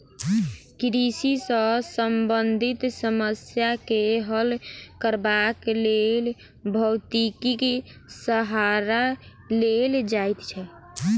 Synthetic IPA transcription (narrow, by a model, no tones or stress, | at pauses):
kɾisisə̃səmbənd̪ʱit̪səməsjakeɦəlkəɾbaklel | bʱəwt̪ikike | səɦaɾa | leld͡ʒajt̪t͡ʃʰɛ